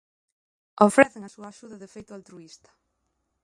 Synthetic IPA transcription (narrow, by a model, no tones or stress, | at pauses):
ofɾɛθeŋasuaːʃuðɐðefejt̪ʊalt̪ɾuist̪ɐ̥